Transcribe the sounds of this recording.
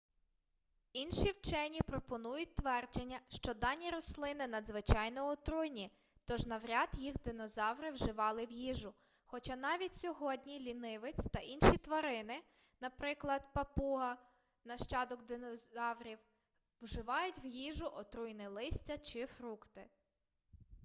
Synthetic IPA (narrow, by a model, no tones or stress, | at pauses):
inʃiwt͡ʃɛnʲipɾɔpɔnujʊt̚ʲt̪ʋɛrd͡ʒenʲːɐʃt͡ʃɔd̪ɑnʲiɾɔslˠɪnɪnɐd̪zʋɪt͡ʃɑjnɔɔt̪ɾujnʲi | t̪ɔʒnɐʋɾʲɑd̪jixd̪ɪnɔzɑwɾɪwʒɪʋɑlˠɪwjiʒʊ | xɔt͡ʃɑnɑʋʲitʲsʲɔɦɔdʲnʲilʲinɪʋɪt͡sʲt̪ɐʔinʃit̪ʋɐɾɪnɪ | nɐpɾɪklˠɐd̪pɐpuɦɐ | nɐʃt͡ʃɑd̪ɔkd̪ɪnɔɑwɾʲiw | wʒɪʋɑjʊtʲwjiʒʊʔɔt̪ɾujnɪlˠɪsʲt͡sʲɐt͡ʃɪfɾukt̪ɪ